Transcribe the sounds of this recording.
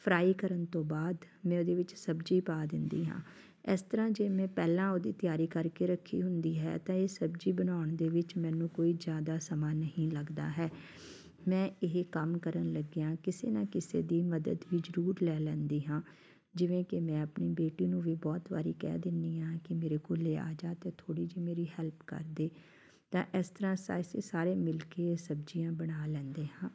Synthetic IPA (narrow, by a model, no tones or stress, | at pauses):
pʰɾaːiːkəɾənt̪õːbaːd̪ | mɛ̃ːoːd̪eːʋɪt͡ʃsəbd͡ʒiːpaːd̪ɪnd̪ḭːɦã̰ː | ɪst̪əɾãːd͡ʒeːmɛ̃ːpɛːlãːoːd̪iːt̪ɪjaːɾiːkəɾkeːɾəkʰːḭːɦʊnd̪iːɦɛ̰ːt̪ãːeːsəbd͡ʒiːbənaːʊɳd̪eːʋɪt͡ʃmɛ̃ːnũːkoːiːd͡ʒjaːd̪aːsəmaːnəɦĩːləɡd̪a̰ːɦɛː | mɛ̃ːɪɦkəmkəɾənləɡejãːkɪsḛːnãːkɪsḛːd̪iːməd̪ə̰d̪ʋiːd͡ʒəɾuːɾlɛːlɛ̃ːnd̪iːɦãː | d͡ʒɪʋẽːkɪmɛ̃ːəpniːbeːʈiːnũːʋiːbɔːt̪ʋa̰ːɾiːkɛ̰ːd̪ɪnd̪iːãːkɪmeːɾeːkoːleːa̰ːd͡ʒaːt̪eːt̪ʰoːɽiːd͡ʒiːmeːɾiːɦɛːlpkə̰ɾd̪eː | t̪ãːʔɪst̪əɾãːsa̰ːsḛːsaːɾeːmɪlkesəbd͡ʒijãːbəɽaːlɛ̃ːnd̪eːɦãː